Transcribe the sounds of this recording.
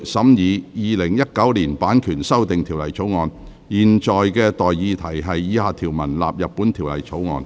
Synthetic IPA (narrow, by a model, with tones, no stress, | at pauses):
sɐ˨˥mjiː˨˧jiː˨lɪ˨˩ŋjɐ˥t̚kɐ˨˥wliː˨˩npaː˨˥nkʰyː˨˩nsɐ˥wt̪ɪ˨ŋt̪ʰiː˨˩wlɐ̰˨˩jt͡sʰo˨˥wŋɔː˨˧n | jiː˨nt͡ʃɔː˨jkɛː˧t̪ɔː˨jːiː˧t̪ʰɐ˨˩jɦɐ˨jːiː˨˧haː˨˧t̪ʰiː˨˩wmɐ˨˩nla̰ː˨p̚jɐ˨t̚pːuː˨˥nt̪ʰiː˨˩wlɐ̰˨˩jt͡sʰo˨˥wŋɔ̰ː˨˧n